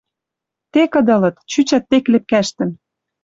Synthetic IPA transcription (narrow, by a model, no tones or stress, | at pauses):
t̪ekɤ̆d̪ɤ̆lɤ̆t̪t͡ɕyt͡ɕæt̪ːeklĕp̚kæʃt̪ə̆n